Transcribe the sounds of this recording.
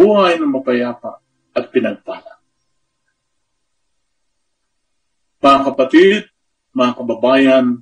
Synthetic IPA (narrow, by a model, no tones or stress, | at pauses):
uːhajnɐŋmɐpajaːpa̰ | ʔɐt̪̚pɪnɐɡ̚t̪aːla | mɐŋakɐpat̪it̪̚ | mɐŋakɐbɐbaːjan